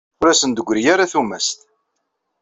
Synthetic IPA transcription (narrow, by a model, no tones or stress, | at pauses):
ʊɾæsənd̪əɡʷːɾijaɾaθumæst̪